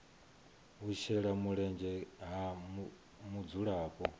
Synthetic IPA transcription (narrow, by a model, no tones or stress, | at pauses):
ɦuʃɛɺamuɺɛnd͡ʒɛɦam | mud͡zuɺaːpʼɔ